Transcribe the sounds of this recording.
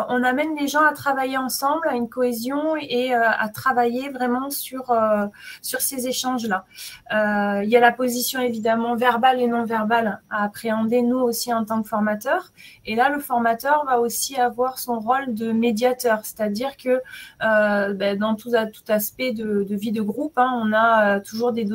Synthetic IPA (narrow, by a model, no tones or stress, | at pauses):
ʔɔ̃namɛnleʒɑ̃at̪χavajeɑ̃sɑ̃blaynkɔezjɔ̃eøa̰t̪χavajevʁɛmɑ̃syʁøsyʁsezeʃɑ̃ʒlaøiljalapozisjɔ̃evid̪amɑ̃vɛʁbalenɔ̃vɛʁbalaːpχeɑ̃d̪enuosiɑ̃t̪ɑ̃kfɔʁmat̪œʁelaləfɔʁmat̪œʁvaosiavwaʁsɔ̃ʁold̪əmed̪jat̪œʁse̥t̪ad̪iʁkəøbɛd̪ɑ̃t̪uat̪u̥t̪aspɛd̪əd̪əvid̪əɡʁupɛ̃ɔ̃naøt̪uʒuʁd̪ed̪